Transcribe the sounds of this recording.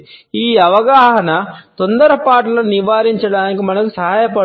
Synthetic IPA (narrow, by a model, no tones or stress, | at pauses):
iːɐʋɐɡaːɦɦnat̪ʊnd̪əɾpaːʈlɐniʋaːɾjɐnt͡ʃʰɐɽaːnkmɐnɐksɐɦaːjɐpɐ